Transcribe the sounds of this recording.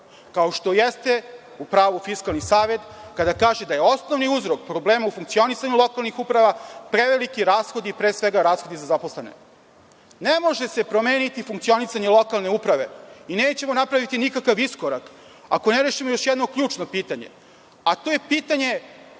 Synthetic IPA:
kao̞ʃt̪o̞jest̪e̞ | upɾaːʋufiskalˠnisaːʋe̞t̪kad̪akaːʒed̪aje̞o̞sno̞ʋniuzɾo̞k̚pɾo̞bleːmaufuŋkt̪sio̞nisaɲulˠo̞kalˠnixupɾaʋapɾeʋelikiɾaːsxo̞d̪ipɾeːsʋeɡaɾaːsxo̞d̪izazapo̞slˠene̞̰ | nemo̞ʒe̞se̞pɾome̞ːnit̪ifuŋkt̪sio̞nisaɲelˠo̞kalˠne̞upɾaʋe̞ineːt͡ɕe̞mo̞napɾaʋit̪inikakaʋiskoɾak | a̰ko̞neɾeːʃimojo̞ʃjed̪no̞kʎuːt͡ʃnopiːt̪aɲe̞̰ | at̪oːje̞piːt̪aɲe̞

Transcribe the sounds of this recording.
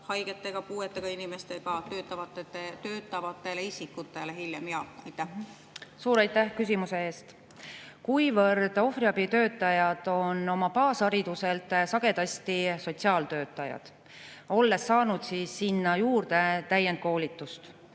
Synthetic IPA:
hɑjɡ̥et̪ːˑe̞ɡ̥ɑpuːet̪ːˑeɡ̥ɑinimest̪eɡ̥ɑt̪øːt̪ːˑɑvɑt̪ːˑet̪ːet̪øːt̪ːˑɑvɑt̪ːˑe̞leisikːˑut̪ːˑe̞lehiljemjɑɑjt̪ːæh | suːɾɑjt̪ːæhkys̬ʲimuse̞e̞ːst̪ | kujvɤrd̪̥o̞friɑbit̪ø̞ːt̪ːˑɑjɑd̪̥o̞no̞mɑpɑːsɑɾid̪̥use̞lt̪ˑsɑɡ̥e̞d̪̥ɑst̪iso̞t̪siɑːlt̪ø̞ːt̪ːˑɑjɑ̰d̪̥ | o̞lːe̞sːɑːnud̪̥siːsːinːɑjuːrd̪̥e̞t̪æjend̪̚ko̞ːlʲit̪ːˑust̪

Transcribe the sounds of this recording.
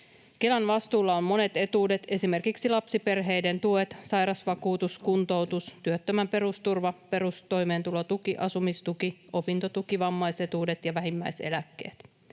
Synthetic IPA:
ke̞lænʋɑst̪uːlːɑomːo̞ne̞t̪e̞t̪uːdet̪e̞sime̞rkiksilɑpsipe̞rɦe̞jde̞nt̪uet̪sɑjɾɑsʋɑkuːt̪uskunt̪o̞wt̪ust̪yøt̪ːømæmpe̞ɾust̪urʋɑpe̞ɾust̪o̞jme̞ːnt̪ulot̪ukiʔɑsumist̪ukio̞pint̪ot̪ukiʋɑmːɑjse̞t̪uːde̞t̪jɑʋæɦimːæjse̞̰lækːe̞̰ːt̪

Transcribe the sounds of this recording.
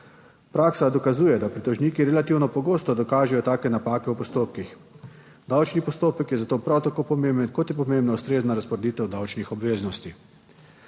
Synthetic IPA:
pɾaːksad̪ɔkazuːjɛd̪apɾit̪ɔʒniːkiɾɛlat̪iwnɔpɔɡoːst̪ɔd̪ɔkaːʒɛjɔt̪aːkɛnapaːkɛwpɔst̪oːpkix | d̪awt͡ʃnipɔst̪oːpəkjɛzat̪oːpɾawt̪akoːpɔmembənkɔt̪jɛp̬ɔmẽmbnaust̪ɾeːznaɾaspɔɾed̪iːt̪ɛwd̪awt͡ʃnixɔbʋeːznɔst̪i

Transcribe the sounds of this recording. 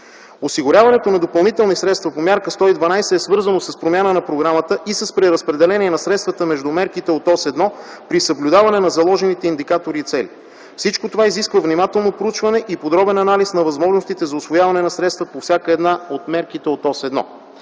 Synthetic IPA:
osiɡʊɾʲjavɐnɛt̪onɐd̪opɐlˠnit̪ɛlˠnisɾɛt̪st̪vɐpomʲaɾkəst̪ɔid̪vɐnajsɛːsvɤɾzənosɐspɾomʲjanənɐpɾoɡɾamət̪əʔisəspɾɛɾəspɾɛd̪ɛlɛniɛnɐsɾɛt̪st̪vət̪əmɛʒd̪umɛɾkit̪ɛot̪ɔsɛd̪nɔpɾisəblʲud̪avɐnɛnɐzɐlˠɔʒɛnit̪ɛind̪ikat̪oɾiːt̪sɛli | fsit͡ʃkot̪ovaiziskvəvnimat̪ɛlˠnopɾout͡ʃvɐnɛʔipod̪ɾɔbɛnɐnalisnɐvɐzmɔʒnost̪it̪ɛzɐʊsvojavɐnɛnɐsɾɛt̪st̪vəpofsʲjakəɛd̪naot̪mɛɾk̟it̪ɛot̪ɔsɛd̪nɔ̰

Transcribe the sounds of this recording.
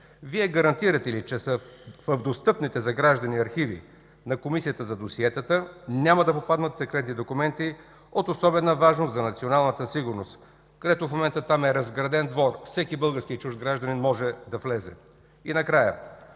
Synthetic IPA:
viɛɡɐɾɐnt̪iɾɐt̪ɛlit͡ʃɛsəfəvd̪ost̪ɤpnit̪ɛzɐɡɾaʒd̪ɐniɐɾxivḭ | nɐkomisijət̪əzɐd̪osiɛt̪ət̪ənʲaməd̪ɐpopad̪nət̪sɛkɾɛt̪nid̪okʊmɛnt̪i | ot̪osɔbɛnəvaʒnost̪zɐnɐt̪sionalˠnət̪əsiɡʊɾnost̪ | kɐd̪ɛt̪ofmomɛnt̪ət̪amɛɾɐzɡɾɐd̪ɛnd̪vɔɾfsɛkibɤlˠɡəɾskʲit͡ʃuʒd̪ɡɾaʒd̪ɐninmɔʒɛd̪ɐflɛzɛ̰ | inɐkɾajə̰

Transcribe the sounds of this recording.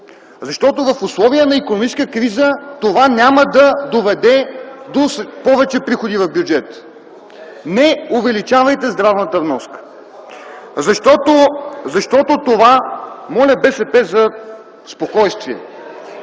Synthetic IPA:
zɐʃt̪ɔt̪ovɐfʊslˠɔviənɐikonomit͡ʃɛ̥skkɾizət̪ovanʲaməd̪ɐd̪ovɛd̪ɛd̪ospɔvɛt͡ʃɛpɾixod̪ivɐvbjud͡ʒɛt̪ | nɛʊvɛlit͡ʃavɐjt̪ɛzd̪ɾavnət̪əvnɔskə̥ | zɐʃt̪ɔt̪ozɐʃt̪ɔt̪ot̪ovamɔlʲəbɛsɛpɛzɐ | spokɔjst̪viɛ̰

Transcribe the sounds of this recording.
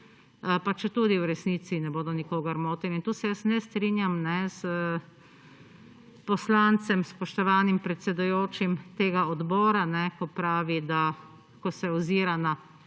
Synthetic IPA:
pat͡ʃɛt̪uːd̪iwɾɛsnit̪sinɛboːd̪ɔnikoːɡaɾmoːt̪ɛnint̪uːsɛjəsnɛst̪ɾinjamnɛsə | pɔslant̪sɛmspɔʃt̪ɔʋaːnimpɾɛt̪sɛd̪ujoːt͡ʃimt̪eːɡaɔd̪bɔːɾanɛkɔpɾaːʋid̪a | kɔsɛɔziːɾana

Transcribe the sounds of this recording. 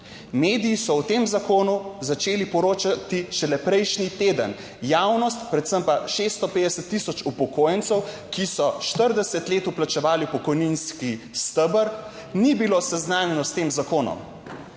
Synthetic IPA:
meːd̪ijːsɔwt̪eːmzakoːnuzat͡ʃeːlipɔɾoːt͡ʃat̪iʃɛlɛpɾɛjʃnit̪eːd̪ə̰n | jaːwnɔst̪pɾɛt̪səmpaʃest̪ɔpeːd̪ɛsət̪ːisɔt͡ʃupɔkoːjənsɛw | kisɔʃt̪əɾd̪ɛsət̪leːt̪uplat͡ʃɛʋaːlipɔkɔjninskist̪əbəɾ | nibilosɛznaːnjɛnɔst̪eːmzakoːnɔ̰m

